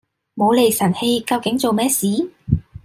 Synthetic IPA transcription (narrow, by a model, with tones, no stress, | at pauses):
mo˨˧wle˨˩jsɐ˨˩nhe˧jkɐ˧wkɪ˨˥ŋt͡so˨wmɛː˥siː˨˥